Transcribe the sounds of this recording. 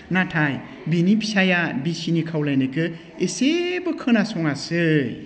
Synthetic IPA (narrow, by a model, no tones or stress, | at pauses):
natʰaj | binipʰi̥sajabisinikʰawlajnɯkʰɯ | esebɯkʰɯnasɔŋasɯj